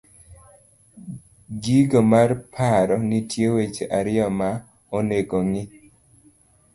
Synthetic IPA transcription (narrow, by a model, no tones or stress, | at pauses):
ɡiɡomarpʰaɾɔnitjewet͡ʃeʔaɾɪjɔma | onekoŋɪ